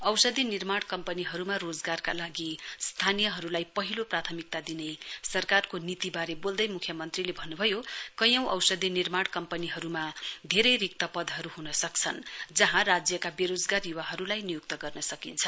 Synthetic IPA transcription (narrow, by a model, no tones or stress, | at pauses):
ʌwsʌd̪ʱinirmaɽkʌmpʌniɦʌɾumarod͡zɡarka̰laɡist̪ʰanijʌɦʌɾulajpʌɦiloprat̪ʰʌmik̚t̪ad̪inesʌrkarkonit̪ibaɾebold̪ʌjmukʰjʌmʌnt̪rilebʱʌnːubʱʌjokʌjʌ̃w̃ʔʌ̰wsʌd̪ʱinirmaɽkʌmpʌniɦʌɾumad̪ʱeɾʌjrik̚t̪ʌpʌd̪ʱɦʌɾuɦunʌsʌk̚t͡sʰʌnd͡zʌɦãrad͡zjʌkabeɾod͡zɡarjuwaɦʌɾulajnijuk̚t̪ʌɡʌrnʌsʌkint͡sʰʌ